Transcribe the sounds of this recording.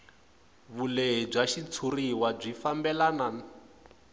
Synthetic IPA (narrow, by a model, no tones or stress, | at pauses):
βuleɦib͡ʐaʃit͡sʰuriwab͡ʐifambɛlanaːna